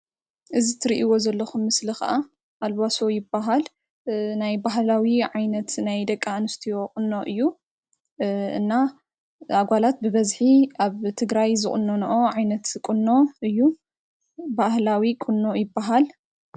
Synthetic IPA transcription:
ʔɨzit̪ʰɨɾiʔiwo̞zɐlːɐxumːɨslixɐ̰ʔa | ʔalβaso̞jɪbːaɦal | najbaɦlawiʕajnɐt̪najd̪ɐkʼːanɨst̪ʰijo̞kʼɨnːo̞ʔɨjːu | ʔɨ̰nːa | aɡʷalat̪̚bɨβɐzħiʔaβt̪ʰɨɡɾajzɨkʼɨnːonɐʔo̞ʕajnɐt̪kʼɨnːo̞ɨjːu | bahlawikʼɨnːo̞jɪbːaɦal

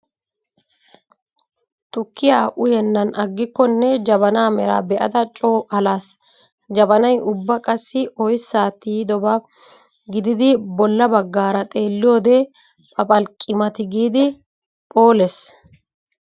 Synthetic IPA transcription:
t̪ʊkːɪjaːʔʊjɛnːɐnʔɐɡːɪkːɔnːɛd͡ʒɐbɐnaːmɛɾa̰ːbɛʔɐ̰d̪ɐt͡ʃʼoːɐlaːs | d͡ʒɐbɐnɐjʊbːɐkʼɐsːɪɔjsːaːt̪ːiːd̪ɔbɐ | ɡɪd̪ɪd̪ɪbɔlːɐbɐɡːaːɾɐt̪ʼe̞ːlːɪjoːd̪ɛ | pʼɐpʼɐlkʼːɪmɐt̪ɪɡiːd̪ɪ | pʼo̞ːlɛs

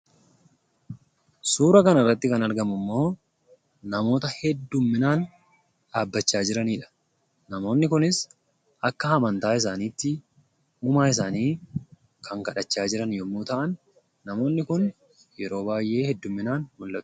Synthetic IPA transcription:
suːɾɐkɐnɐrːɐt̪ːɪkɐnɐɾɡɐmʊmːo̞ː | nɐmo̞ːt̪ɐhɛd̪ːʊmːɪnaːn | ᶑ̪aːbːɐt͡ʃːaːd͡ʒɪɾɐniːᶑɐ̥ | nɐmo̞ːnːɪkʊnɪs | ʔɐkːɐhɐmɐnt̪aːɪs̬aːniːt̪ːɪ | uːmaːɪs̬aːniː | kʰɐŋkɐᶑɐt͡ʃːaːd͡ʒɪɾɐnjɔmːuːt̪ɐʔɐnː | ɐmo̞ːnːɪkʊn | jɛɾo̞ːbaːjʔːe̞ːhɛd̪ːʊmːɪnaːnmʊlːɐt̪ːʊ̥

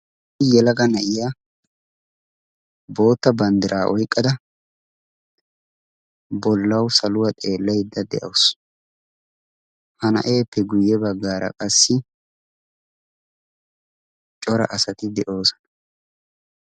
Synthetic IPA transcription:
jɛlɐɡɐnɐʔɪja | bo̞ːt̪ːɐbɐnd̪ɪɾʔaːʔɔjkʼːɐd̪ɐ | bɔlːɐwsɐlʊwɐt̪ʼe̞ːlːɐjd̪ːɐd̪ɛ̰ʔɐws | hɐnɐ̰ʔe̞ːpːɛɡʊjːɛbɐɡːaːɾɐ̰kʼɐsːɪ | t͡ʃʼɔɾɐ̰ʔɐsɐt̪ɪd̪ɛʔo̞ːsɐ̥nɐ

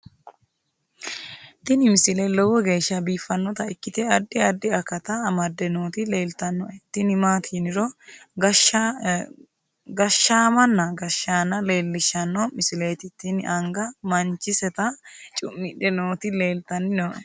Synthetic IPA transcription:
t̪ɪnɪmɪsɪlelɔwɔɡe̞ːʃːɐbiːfːɐnːɔt̪ɐɪkːɪt̪ɛɐd̪ːɪɐd̪ːɪɐkːɐt̪ɐːmɐd̪ːɛnoːt̪ɪleːlt̪ɐnːɔʔɛt̪ːɪnɪmaːt̪ʰiːnɪɾɔɡɐʃ | ɡɐʃːaːmɐnːɐɡɐʃːaːnːɐle̞ːlːɪʃɐnːɔmɪsɪle̞ːt̪ɪt̪ɪnɪʔɐŋɡɐmɐnt͡ʃːɪsɛt̪ɐt͡ʃʼʊmːɪᶑɛnoːt̪ɪle̞ːlt̪ɐnːɪnoʔɛ

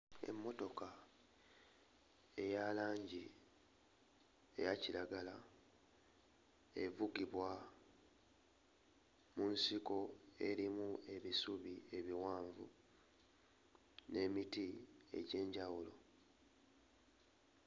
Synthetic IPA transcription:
e̞̰mːo̞to̞ka | e̞jalaːɲɟi | ḛjaciɾaɡala | e̞vuɡiβwa | munsiko̞e̞ɾimue̞βisuβie̞βiwaːɱvṵ | ne̞mitie̞̰ɟe̞ːɲɟawulo̞

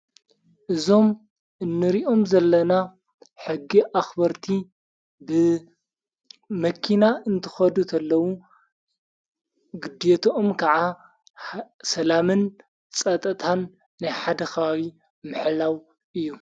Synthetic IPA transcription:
ʔɨzo̞m | ʔɨnːɨɾiʔo̞mzɐlːɐna | ħɨɡːiʔaxbɐɾt̪ʰi | bɨ | mɐkʰinaʔɨnt̪ʰɨ̥xɐd̪ut̪ʰɐlːɐwu | ɡɨd̪et̪ʰoːmkʰɐʕa | sɐlamɨn | t͡sʼɐt̪ʼɐt̪ʰanː | ajħad̪ɐxawi | mɨħlaw | ɨjːu

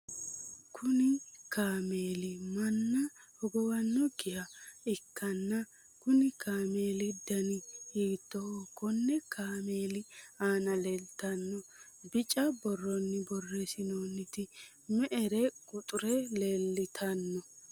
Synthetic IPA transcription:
kʰʊnɪkaːmeːlɪmɐnːɐhɔɡɔwɐnːɔɡɪjɐɪkːɐnːɐ | kʊnɪkaːmeːlɪd̪ɐnɪhiːt̪ːɔhɔkːɔnːɛkaːmeːlɪaːnɐlelt̪ɐnːɔ | bɪt͡ʃʼːɐbɔrːɔnːɪbɔrːesɪnoːnːɪt̪ɪ | mɛʔɛɾɛkʼʊt̪ʼʊɾɛlelːɪt̪ʰɐnːɔ

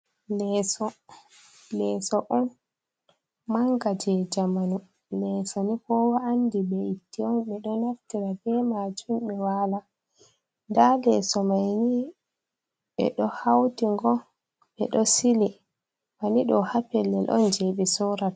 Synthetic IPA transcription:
lɛsɔ | lɛːsɔʔɔn | maŋɡad͡ʒɛd͡ʒamanu | lɛsɔnikɔwaːndibɛitːiɔnɓɛɗɔnaftiɾabɛmad͡ʒumɓɛwala | ndalɛsɔmajni | ɓɛ̰ɗɔhawtiŋɡɔ | ɓɛ̰ɗɔsili | faniɗɔhapɛlːɛlʔɔ̰nd͡ʒeɓisɔɾa

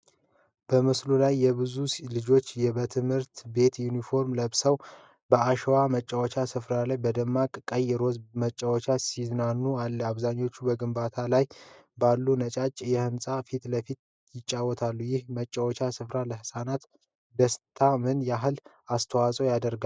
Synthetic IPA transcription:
b̥əmɨslulajːɛβɨzulɨd͡ʒo̞t͡ʃːjɛbət̪ʰɨmhɨɾt̪be̞t̪junifo̞ɾmləβsəw | bəaʃɛwamət͡ʃʼːawɔt͡ʃasɨfɾalajbəd̪əmːakʼkʼəjɛɾo̞zmət͡ʃʼːawɔt͡ʃasiznanːualːəaβzaɲːo̞t͡ʃːubəɡɨmbat̪ʰalajbalːunət͡ʃʼat͡ʃʼjɛhɨmsʼafit̪ləfit̪ | jɪt͡ʃʼːawːɔt̪ʰalːujɪhmət͡ʃʼːawɔt͡ʃasɨfɾaləhɨsanat̪ | d̪əst̪ʰamɨnjaɦɨl | ast̪ʰəwasʼəwjad̪əɾɡa

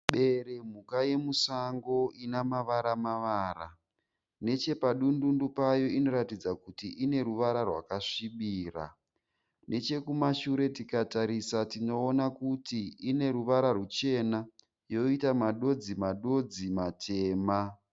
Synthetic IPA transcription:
ɓe̞ɾe̞m̤ukaje̞musaŋɡo̞inamaʋaɾamaʋaːra | ne̞t͡ʃe̞paɗundundupajo̞ino̞ɾatid͡zakutiʔine̞ɾuʋaɾarwa̰kaʂiɓiːra̰ | nʔe̞t͡ʃe̞kumaʃuɾe̞tikataɾisatino̞ːnakutiine̞ɾuʋaɾarut͡ʃe̞na | jo̞itamaɗo̞d͡zimaɗo̞d͡zimatʰe̞ːma

